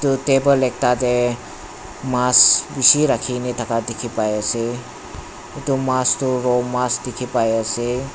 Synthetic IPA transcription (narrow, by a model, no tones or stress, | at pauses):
tutebəlek̚tade | masbisiɾakʰinit̪ʰakadikʰipajəse | tumastuɾɔmasdikʰipajəse